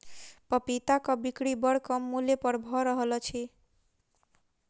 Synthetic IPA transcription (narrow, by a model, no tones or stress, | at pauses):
pɔpit̪akɔbikɽibɔɽkɔmːulepɔɾbʱɔɾɔɦɔlɔt͡ʃʰi